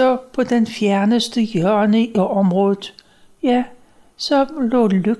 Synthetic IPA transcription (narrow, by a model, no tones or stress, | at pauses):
ɒ̽pʰɒ̽d̥enfjæɐnəsd̥əjœɐnəɒ̽mʁɔ̽ːð̩ˠ | jæ | sɒ̽lɔ̰ːlø